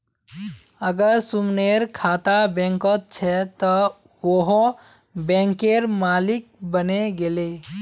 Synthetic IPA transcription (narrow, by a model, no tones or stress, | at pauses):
əɡəɾsumneɾkʰat̪abɛ̃ŋkət̪̚t͡ʃʰɛt̪ɔ | oɦ | bɛ̃ŋkeɾmalik̚bəneɡele